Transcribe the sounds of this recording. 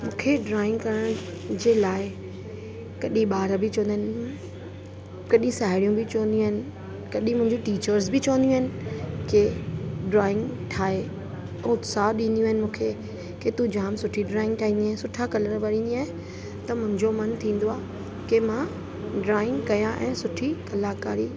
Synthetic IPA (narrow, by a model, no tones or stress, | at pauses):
mũːkʰeɖɾaːɪ̃ŋɡkɐɾəɽ̃ | d͡ʑeːlaːɪ | kɐɗĩɓaːɾbɪt͡ɕɐʋə̃nd̪iɦɪnɪ | kɐɗĩsaːɦɪɽijũbɪt͡ɕɐə̃nd̪jũɦɪnɪ̆ | kɐɗĩmʊ̃ɦɪ̃ɲd͡ʑũʈiːt͡ɕəɾs̬bɪt͡ɕɐʋənd̪ij̃ũɐɦɪnɪ̆keɖɾaːɪ̃ŋɡʈʰaːẽ | ʊt̪saːɗĩːnd̪ijũɐɦɪnɪ̆mũːkʰe | ket̪ũd͡ʑaːmsʊʈʰiɖɾaːɪ̃ŋɡ̚ʈʰaːɦĩːndiaːɦɪ̃sʊʈʰakɐləɾʋɐɾĩːnd̪iaːɦɪ̃ | t̪ɐmʊ̃ɦɪ̃ɲd͡ʑomɐnt̪ʰĩːn̆d̪oaː | kemã | ɖɾaːɪ̃ŋɡkɐjãʔɛ̰̃ːsʊʈʰikɐlaːkaːɾiː